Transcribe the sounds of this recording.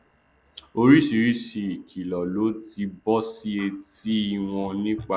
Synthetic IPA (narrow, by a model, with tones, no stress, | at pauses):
o˧ɾi˦si˧ɾi˦si˧i˨kʰi˨lɔ˨lo˨˦ti˧bɔ˦si˦e˧ti˦i˧w̃ɔ̃˧nĩ˦k͡pa˧